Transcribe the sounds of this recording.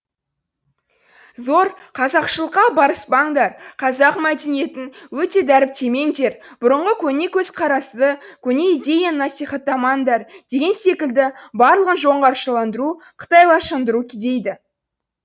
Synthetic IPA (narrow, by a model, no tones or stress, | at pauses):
zo̞ɾqʰɑzɑqʃəlˠəqːɑbɑɾəsbɑŋd̪ɑɾqʰɑzɑqmæd̪e̞nije̞t̪ɪnwɵt̪e̞d̪æɾɪp̚t̪ʰe̞me̞ŋd̪e̞ɾ | b̥ʊɾəɴʁəkʲʰɵne̞kʲʰɵzqʰɑɾɑszəkʲʰɵne̞id̪ʲe̞janɑsijχɑt̪ːɑmɑnd̪ɑɾd̪̥e̞ɡʲe̞nse̞kʲɪld̪ɪbɑɾlˠəʁənʒo̞ɴʁɑɾʃəlˠɑnd̪əɾu | qʰə̥t̪ɑjlˠɑʃənd̪əɾukʲʰɪd̪e̞jd̪ɪ